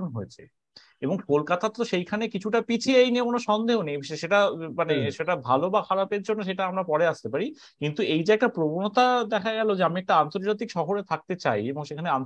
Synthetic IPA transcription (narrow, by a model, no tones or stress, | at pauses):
nɦoet͡ɕʰḛ | eboŋkolkat̪at̪oʃejkʰanekit͡ɕʰuʈapit͡ɕʰiejneokonoʃɔnd̪eɦonejʃeʃeʈamaneʃeʈabʱalobakʰaɾapeɾd͡ʑonːoʃ̬eʈaamɾapɔɾeast̪epaɾi | kint̪uejd͡ʑaekʈapɾobonot̪ad̪ɛkʰaɡɛlod͡ʑeamiɛk̚ʈaant̪oɾd͡ʑat̪ikʃɔɦoɾet̪ʰak̚t̪et͡ɕajeboŋʃekʰanean